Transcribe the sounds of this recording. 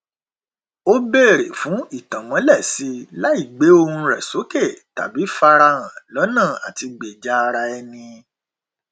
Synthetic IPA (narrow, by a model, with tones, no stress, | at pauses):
o˦be˦˨ɾḛ˨fũ˨˦i˦˨tã˨mɔ̃˨˦lɛ˦˨si˧˦la˦i˦˨ɡ͡be˨˦o˧hũ˧ɾɛ˨so˨˦ke˦˨ta̰˨bi˨˦fa˧ɾa˧ã˨lɔ˨˦nãː˦˨a̰˨ti˧ɡ͡be˨d͡ʒa˦˧ɾa˧ɛ˧nĩ˧